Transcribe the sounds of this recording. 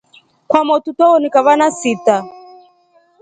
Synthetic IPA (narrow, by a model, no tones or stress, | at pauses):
kwamɔtutɔɔnikaβanasita